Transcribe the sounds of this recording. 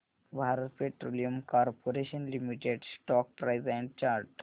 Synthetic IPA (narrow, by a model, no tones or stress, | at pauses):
bʱaːɾət̪̚peʈɾoːlijumkɔːɾpʰoɾeʃə̃nlimiʈeɖsʈɔːk̚pɾaɪzɛ̃ɳɖ̚t͡ʃaːɾʈ